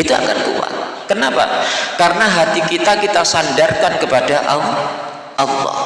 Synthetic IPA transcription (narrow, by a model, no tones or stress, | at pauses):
it̪ua̰ka̰nkṵwa̰t̪̚ | kənapa̰kaɾənaɦat̪ik̪it̪akit̪asandarkankəpadaʔa̰w | ʔalːɔ̰h